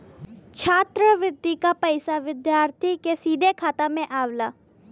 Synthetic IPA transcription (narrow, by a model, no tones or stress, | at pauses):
t͡ʃʰaːt̪ɾəʋɪd̪ːikapəɪsaʋɪd̪jaːɾt̪ʰikesiːd̪ʱekʰaːt̪amẽʔaːʋlaː